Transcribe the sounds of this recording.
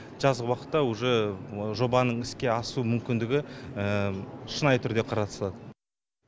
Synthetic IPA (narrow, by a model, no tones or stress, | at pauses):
ʒ̥ɑzʁəwɑqə̥t̪ːɑwoʒeʒo̞bɑnəɴɪskʲe̞ɑsumʏmkʲɪnd̪ɪɡʲɪəʃənɑjt̪ʰʏɾd̪e̞qʰɑɾɑt̪ə̥slˠɑd̪ə